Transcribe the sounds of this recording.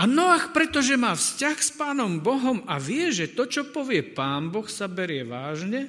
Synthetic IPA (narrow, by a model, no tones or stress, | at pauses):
anɔaxpɾɛt̪ɔʒɛmaːfscaxspaːnɔmbɔɦɔmaʋɪɛʒɛt̪ɔt͡ʃɔpɔʋɪɛpaːnbɔxsabɛɾɪɛʋaːʒɲɛ